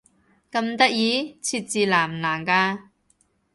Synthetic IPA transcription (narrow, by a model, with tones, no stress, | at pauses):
kɐ˧mt̪ɐ˥k̚jiː˨˥˦t͡sʰiː˧t̚t͡siː˨˧laː˨˩m˨laː˨˩mkaː˧